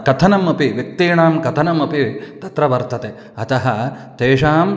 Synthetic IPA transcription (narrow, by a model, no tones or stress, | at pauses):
kɐt̪ʰɐnɐmɐpiʋjɐk̚t̪iːɳaːmkɐt̪ʰɐnɐmɐpit̪ɐt̪ɾɐʋɐɾt̪ɐt̪eː | ɐt̪ɐɦɐt̪eːʂaːm